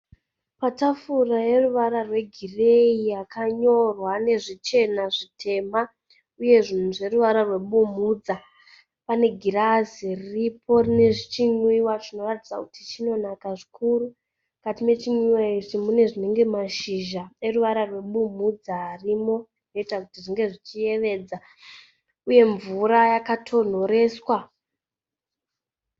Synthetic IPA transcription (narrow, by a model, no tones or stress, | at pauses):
patafuraje̞ruʋaɾarwe̞ɡʱire̞ijakʰaɲo̞rwane̞ʐit͡ʃe̞naʐitʰe̞ma | uje̞ʐinuʐe̞ɾuʋaɾarwe̞ɓumud͡za | pane̞ɡʱiɾaziriripʰo̞rine̞ʐit͡ʃiɲwiwat͡ʃino̞ratid͡zaku̥tit͡ʃino̞nakaʐikʰuru | katime̞t͡ʃiɲwiwait͡ʃimune̞ʐine̞ŋɡe̞maʃiʒaeruʋaɾarwe̞ɓumud͡zaːrimo̞ | no̞itakutiʐiŋɡe̞ʐit͡ʃije̞ʋe̞ːd͡za | uje̞ɱvuɾajakatʰo̞n̤o̞ɾe̞ːswa